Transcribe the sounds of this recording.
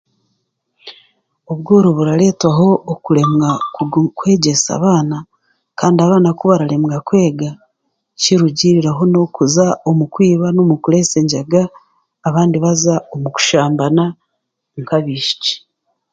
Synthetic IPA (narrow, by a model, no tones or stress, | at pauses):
o̞βɡoːɾoβuɾaɾe̞ːtwaɦo̞ʔːkuɾe̞mɡakwe̞ːɟe̞sa̰βaːna | kaːndiaβaːnakuβaɾaɾe̞mŋɡakwe̞ːɡa | ciɾuɟiɾiɾaɦo̞no̞kuzaomukwiːβanomukuɾe̞se̞ɲɟaɡaː | βaːndiβazaomuku̥ʃaːmbana | ŋkaβiːʃi̥t͡ʃi̥